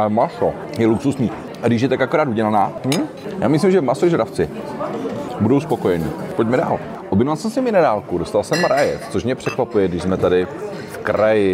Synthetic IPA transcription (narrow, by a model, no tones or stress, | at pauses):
amaxo | jɛluksusɲiː | ʔaɡdɪʃ̬jɛt̪akakoɾaːt̪uɟɛlanaː | jaːmɪslimʒɛmasoʒɛɾaft͡sɪ | budowspoko̞jɛɲḭːpoɟ̚mɛda̰ːl | ʔobjɛnovalsɛmsɪmɪnɛɾaːlkudo̞st̪alsɛmɾajɛ̰tt͡soʃmɲɛpr̥ɛkvapujɛɡdɪʒzmɛt̪adɪ | fkɾajɪ